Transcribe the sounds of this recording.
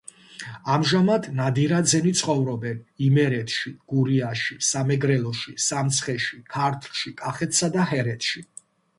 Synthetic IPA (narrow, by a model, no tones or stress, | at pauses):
amʒamad̪nad̪iɾad̪zɛnit̪sʰχɔvɾɔbɛnimɛɾɛt̪ʰʃiɡ̥uɾiaʃisamɛɡɾɛlˠɔʃisamt̪sʰχɛʃikʰaɾt̪ʰlˠʃikʼaχɛt̪ʰsad̪aɦɛɾɛt̪ʰʃi